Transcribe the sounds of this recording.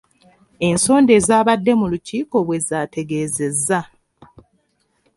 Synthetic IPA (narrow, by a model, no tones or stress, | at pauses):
e̞nso̞ːnde̞ːzaːβadːe̞muluciːko̞βwe̞zaːte̞ɡe̞ːze̞zːa